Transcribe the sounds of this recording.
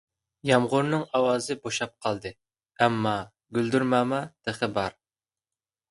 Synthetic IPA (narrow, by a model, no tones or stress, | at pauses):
jɑmʁʊɾnɨŋɑwɑːzɨboʃɑp̚qʰɑlˠd̪ɨ | ɛmːɑ | ɡʲyld̪yɾmɑːmɑd̪̥eχəbɑɾ